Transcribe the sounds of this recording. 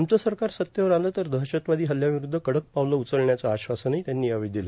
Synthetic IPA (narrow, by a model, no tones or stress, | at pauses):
mt͡səsəɾkaɾsət̪jəʋəɾaləːt̪əɾd̪əɦɕət̪ʋad̪iːɦəljaʋiɾud̪ʱːəkəɽək̚paʋləut͡səɭɳjat͡səaɕʋasənaɦit̪janːiːaʋid̪ilə